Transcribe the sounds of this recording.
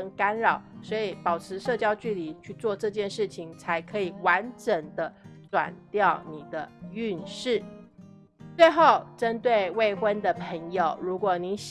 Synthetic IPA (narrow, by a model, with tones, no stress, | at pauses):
ŋka˥nɻɑ˨˩ʊswɔ˧˥i˨˩pɑ˨˩ʊʈ͡ʂʰɻ̩˧˥ʂɤ˥˧t͡ɕjɑ˥ʊt͡ɕy˥˩li˧˩t͡ɕʰy˥˧t͡swɔ˥˧ʈ͡ʂɤ˥˧t͡ɕjɛ˥˧nʂɻ̩˥˩t͡ɕʰi˩ŋt͡sʰa˧˥ɪkʰɤ˧˥i˨˩wa˧˥nʈ͡ʂə˧˥nd̪ə˦ʈ͡ʂwa̰˨˩nt̪jɑ˥˩ʊni˨˩d̪ə˦y˥˧nʂɻ̩˥˩ | t͡swe˥˧ɪxo˥˩ʊʈ͡ʂə˥nt̪we˥˧ɪwe˥˩ɪxwə˥nd̪ə˨pʰə˧˥ŋjo˨˩ʊɻu˧˥kwɔ˨˩ni˧˥ɕ